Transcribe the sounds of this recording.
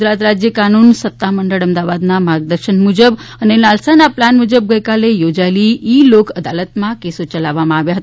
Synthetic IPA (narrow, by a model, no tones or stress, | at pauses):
ɾat̪ɾad͡ʒjəkanunsət̪ːaməɳɖəɭəmd̪aʋad̪namaɡ̚d̪əɾʃənmud͡ʒəbənenalsanaplanmud͡ʒəb̚ɡəjkalejod͡ʒaeliilokʰəd̪alət̪mãkesot͡ʃəlaʋːamãaʋjaɦət̪